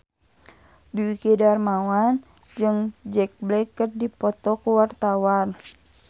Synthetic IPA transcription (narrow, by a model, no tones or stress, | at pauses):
biikidarmawand͡ʒɨŋd͡ʒɛk̚blɛkːərdipɔt̪ɔkuwart̪awan